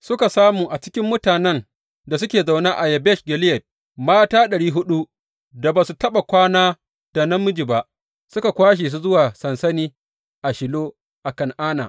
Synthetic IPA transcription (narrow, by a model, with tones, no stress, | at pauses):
sʊ˦ka˨saː˦muː˨ʔa˨t͡ʃɪ˦kʲɪ˦mːʊ˦taː˨nɛ˦n | da˨s̬ʊ˦kʲeː˨za˨wnaː˦ʔa˨jɐ˨bɛ˦˨ʃɡʲɛ˨lɪ˦jɛ˨t̚ | maː˦taː˦ɗɐ˨ɽiː˦ɦʊ˦ɗu˦ | da˨baː˨su˨tɐ˦ɓa˨kʷaː˦naː˦ | d̥a˨nɐ˦mːʊ˦d͡ʒi˨ba˦ʔ | sʊ˦ka˨kʷaː˦ʃ̬eː˨s̬u˦zʊ˦waː˨sɐ˨nsɐ˦niː˦ | ʔa˨ʃɪ˨loː˦ | ʔa˨kɐ˦˨ŋʔaː˦na̰ː˨